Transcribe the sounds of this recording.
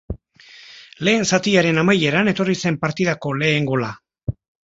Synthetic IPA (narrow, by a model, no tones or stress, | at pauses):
le̞ːnsat̪iaɾe̞namaje̞ɾane̞t̪o̞rise̞mpaɾt̪iðako̞le̞ːŋɡo̞la